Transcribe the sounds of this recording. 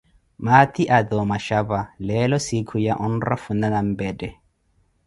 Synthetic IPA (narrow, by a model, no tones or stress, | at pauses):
mat̪iʔadɔmaʃabalɛlɔsikʰujaʔɔnra̰funanam̩bɛdɛ